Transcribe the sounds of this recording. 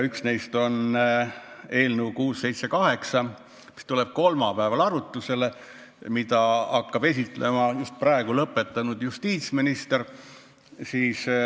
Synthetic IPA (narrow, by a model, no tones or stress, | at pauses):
yksne̞jst̪o̞n | e̞ːlnəukuːsːe̞jt̪se̞kɑɦe̞ksɑ | mi̥st̪ule̞b̥̚ko̞lmɑpæevɑlɑɾut̪ːˑuse̞le | mid̪̥ɑɑkːɑb̥e̞s̬it̪ˑle̞mɑjust̪̚prɑˑeɡ̥ulɤpːˑe̞t̪ːˑɑnud̪̥just̪iːt̪sminist̪er | siːs